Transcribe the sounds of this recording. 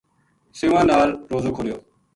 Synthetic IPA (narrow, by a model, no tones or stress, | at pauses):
sɪːʋãːnaːlɾoːzoːkʰolɪjoː